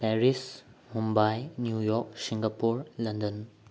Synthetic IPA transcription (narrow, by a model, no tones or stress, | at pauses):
pɛɾismumbajnjujɔk̚siŋɡapuɾlɐndɐn